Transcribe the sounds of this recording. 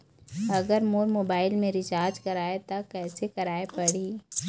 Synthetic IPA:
ɐɡəɾmoːɾmoːbaːɪlmẽɾɪt͡ʃaːɾd͡ʒkɐɾaːet̪akɛːsekɐɾaːepɐɽiː

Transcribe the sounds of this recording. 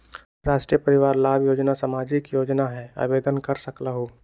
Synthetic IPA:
ɾaːʃʈɾijəpəɾɪʋaːɾlaːbjoːd͡ʒnasamaːd͡ʒɪkjoːd͡ʒnaɦɛa̰ːbeːd̪ənkəɾsəklaɦoː

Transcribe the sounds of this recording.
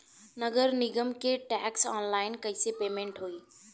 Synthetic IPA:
nɐɡəɾnɪɡəmkʰeʈɛːksɔːnlaːɪnkɐɪsepeːmẽːɳʈɦoːiː

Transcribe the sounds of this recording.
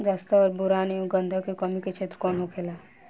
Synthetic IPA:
d͡ʒaːst̪aɔːɾbʊɾaːniõɡə̃nd̪ʱəkekəmiket͡ʃʰeːt̪ɾkɔːnɦokʰeːlaː

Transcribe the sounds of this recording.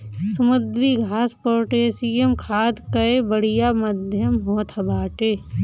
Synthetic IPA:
səmʊd̪ɾiɡʱaːspoːʈeːsijemkʰaːd̪kɐebəɽ̤ijaməd̪ʱjəmɦoːt̪ʰɐbaːʈeː

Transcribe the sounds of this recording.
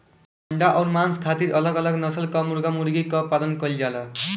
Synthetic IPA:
ʌɳɖaʔʌɾmanskʰat̪iɾʌlʌɡʌlʌɡnʌsʌlkʌmurɡamurɡikʌpːalʌnkʌld͡ʒalʌ

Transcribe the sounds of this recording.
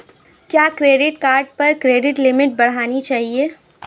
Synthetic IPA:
kjaːkɾeːɖɪʈkaːɾɖ̚pɐɾkɾeːɖɪʈlɪmɪʈ̚bɐɽ̤aːnit͡ʃaːɦieː

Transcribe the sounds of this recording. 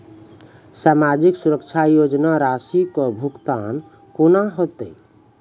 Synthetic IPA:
samad͡ʒiksuɾəkt͡ʃʰajod͡ʒnaɾasikɔbʱukt̪an | konaɦot̪ə

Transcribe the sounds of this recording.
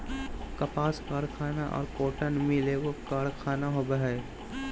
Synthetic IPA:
kɐpaːskaːɾkʰaːnaʔɔ̰ːɾkoːʈənmɪleʋokaːɾkʰaːnaɦobəɦɛ

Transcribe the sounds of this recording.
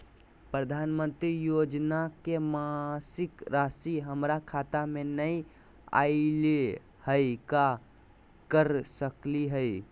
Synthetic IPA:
pɾəd̪ʱanmə̃nt̪ɾijod͡ʒnakemasɪkɾasiɦəmɾakʰat̪amenəi | a̰le | həjka | kəɾsəkliɦəɪ

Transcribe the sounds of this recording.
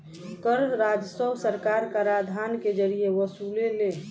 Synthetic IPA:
kəɾɾad͡ʒsəwsəɾkaɾkəɾad̪ʱanked͡ʒəɾieʋəsulele

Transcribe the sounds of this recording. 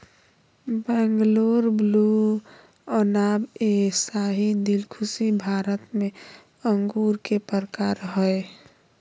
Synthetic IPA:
bɛ̃ŋɡloɾblu | ənabesaɦid̪ilkʰusibʱaɾət̪me | əŋɡuɾkepəɾkaɾɦəe

